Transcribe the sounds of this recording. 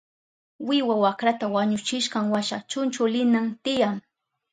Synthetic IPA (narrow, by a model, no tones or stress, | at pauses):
wɪwawakɾat̪awaɲʊt͡ʃɪʃɢɑŋwaʃat͡ʃʊnt͡ʃʊlɪnaŋt̪ɪjaŋ